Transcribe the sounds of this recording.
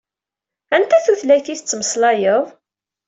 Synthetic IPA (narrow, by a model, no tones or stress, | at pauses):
ænt̪æθuθlæjθiθət͡sːməslɑjəðˤ